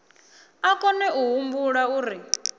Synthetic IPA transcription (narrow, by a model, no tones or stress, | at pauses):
akɔnɛʔuɦumbuɺauːɾi